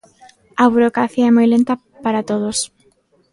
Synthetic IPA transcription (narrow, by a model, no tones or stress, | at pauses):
ɐβuɾokɾaθiɐɛmojlent̪ɐ | paɾat̪oð̞os